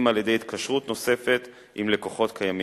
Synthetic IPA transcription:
maljedejit̪kʰaʃʁut̪no̞se̞fe̞t̪ | imle̞ko̞χo̞t̪kʰajami

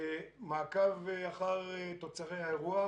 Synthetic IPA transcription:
maːkaveaχaʁet̪ot͡saʁejhaeʁua

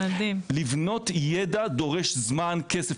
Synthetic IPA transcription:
ad̪imlivno̞t̪jedad̪o̞ʁeʃzmankese

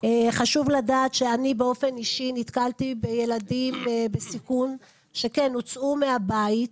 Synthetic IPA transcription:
eχaʃuvladat̪ʃeanibeo̞fe̞niʃinit̪kaltibejeladimbesikun | ʃe̞kenːut͡sʔumeabait̚

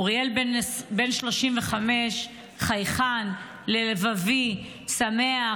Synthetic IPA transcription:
uʁjelbenbe̞nʃlo̞ʃimveχame̞ʃ | χajχan | lelevavi | samea

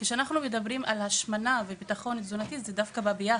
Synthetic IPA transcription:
keʃeanaχnumed̪abʁimʔalhaʃmanavebit̪aχo̞nitzunat̪izedafkababia

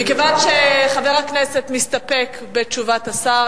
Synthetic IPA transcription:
mikevanʃeχaveʁakneset̪mist̪apek | bet͡ʃuvat̪asa

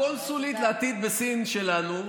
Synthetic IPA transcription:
olsulit̪leat̪id̪̚besinʃelanu

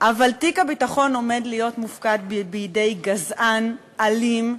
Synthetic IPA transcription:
ʔavaltikabitaχo̞no̞me̞dlijo̞tmufkadbbiːde̞jɡazʔan | alim

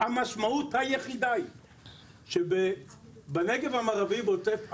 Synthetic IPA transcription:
hamaʃmauthajeχid̪ai | ʃebebeneɡevamaʁavibot͡sef

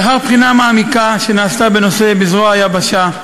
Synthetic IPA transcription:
ɦaʁpχinamaːmikaʃe̞naːst̪abe̞no̞se̞bizʁoajabaʃa

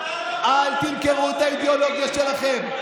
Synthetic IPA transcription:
ʔalt̪imkeʁut̪aid̪eolo̞ɡjaʃe̞laχe̞m

